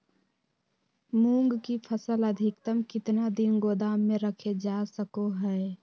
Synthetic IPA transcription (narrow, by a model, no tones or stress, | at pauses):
mũːŋɡkipʰəsələd̪ʱɪkt̪əmkɪt̪nad̪ɪnɡoːd̪aːmːẽɾəkʰed͡ʒaːsəkoɦɛː